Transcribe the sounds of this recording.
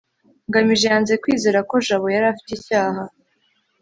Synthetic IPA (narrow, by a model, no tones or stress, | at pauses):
ŋɡamiʒejaːnze̞kwiːze̞ːɾako̞ʒaβo̞jaɾaːfi̥tecaːɦa